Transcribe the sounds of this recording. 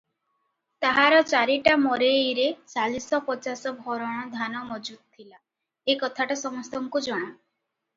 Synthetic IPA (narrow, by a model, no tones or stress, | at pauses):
t̪aɦaɾɔt͡ʃaɾiʈamɔɾejɾet͡ʃalisɔpɔt͡ʃasɔbʱɔɾɔɽ̃ɔd̪ʱanɔmɔd͡ʒud̪̚t̪ʰːila | ekɔt̪ʰaʈasɔmɔst̪ɔŋkud͡ʒɔɽ̃a